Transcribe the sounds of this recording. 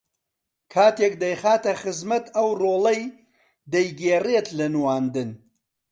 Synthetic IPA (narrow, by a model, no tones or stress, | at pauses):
kʰaːt̪eːk̚d̪ɐjxaːt̪ɐχɨzmɐt̪ɐwroːlɐj | d̪ɐjɡeːret̪lɐnwaːnd̪ɨn